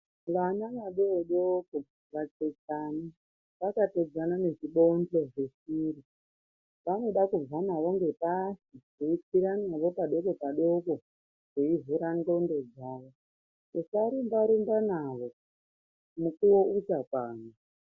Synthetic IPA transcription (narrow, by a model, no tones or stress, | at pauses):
ʋanaʋaɗeoɗoko | ʋat͡ʃet͡sani | ʋakated͡zanane̞ʐiɓond͡ɮeʐesiri | ʋano̞ɗakub͡vanaʋo̞ŋɡe̞pasiʐ̥eit͡siɾanaʋo̞paɗo̞kopaɗoko | ʐ̥eivuɾando̞nde̞d͡zaːʋo | usaɾumbaɾumbanaʋo̞ | mukuwo̞utakwaːnu